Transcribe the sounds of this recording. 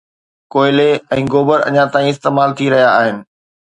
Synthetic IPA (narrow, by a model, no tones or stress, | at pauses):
koːɪleɛ̃ːɡoːbəɾɐ̰ɲãt̪aːĩɪst̪eːmaːlt̪ʰiɾɐɦijaːɦɪnɪ̆